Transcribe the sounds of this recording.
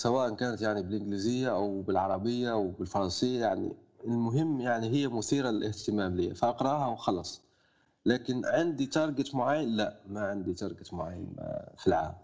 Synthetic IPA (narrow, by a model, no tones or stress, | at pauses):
sæwæːʔankæːnət̪jaʕnibɪlʔɪnɡlizɪjːaʔawbɪlʕɑɾˤɑbɪjːaʔwbɪlfɑɾˤɑnsɪjːajaʕnḭ | ɪlmʊɦɪmːjaʕniɦɪjːæmʊθiːɾallʔɪht̪ɪmæːmliːafaʔɑqɾˤɑhawxɑlɑsˤ | læːkɪnʕɪnd̪it̪ɑɾˤɡɪt̪mʊʕajːanlæʔmaʕɪnd̪it̪ɑɾˤɡɪt̪mʊʕa̰jːə̰nfilʕa̰ːm